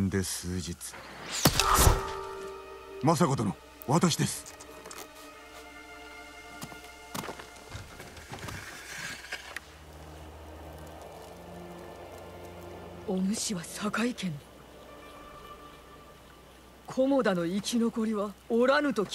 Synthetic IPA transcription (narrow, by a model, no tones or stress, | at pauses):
nd̪e̞sɨːd͡ʑit͡sɨ̥ | mas̬ako̞t̪ono | βat̪aɕid̪e̞sɨ̥ | omɯ̟ɕiβasakaikẽ̞n | kʰo̞mo̞d̪ano̞ikʲino̞ko̞ɾʲiβaoɾanɯ̟t̪o̞kʲ